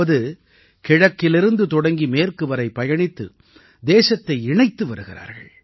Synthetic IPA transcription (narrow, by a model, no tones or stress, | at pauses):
ɐðɯ | kɪɻɐkːɪlɪɾɯnd̪ɯt̪ɔɽɐŋɡimeːrkɯʋɐɾɐɪpːɐjɐɳɪt̪ːɯ̰ | d̪eːsɐt̪ːɐɪɪɳɐɪt̪ːɯʋɐɾɯɣɪɾa̰ːɾɣɐ̰ɭ